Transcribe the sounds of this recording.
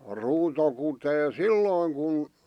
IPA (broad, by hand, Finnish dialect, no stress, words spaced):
ruːto kuteː silːoˑĭŋ kun